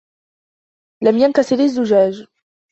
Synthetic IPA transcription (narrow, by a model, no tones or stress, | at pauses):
lamjankasɪɾɪzːʊʒaːʒ